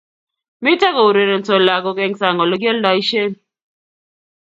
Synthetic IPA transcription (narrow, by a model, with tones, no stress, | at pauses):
mi˦ta˦kɔ˨u˨ɾe˨ɾe˨n˨t͡so˨la˨ɡo˨kɛ˦ŋsa˨ŋɔ˨lɔ˦ɡe˦lda˨i˦ʃe˦n